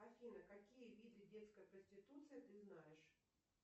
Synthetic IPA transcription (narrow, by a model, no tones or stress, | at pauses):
ɐfʲinəkakʲijəvʲidʲlʲɪdʲe̞t̪skəjəkənʲsʲtʲɪt̪ut̪sɨjət̪ɨznajɪʂ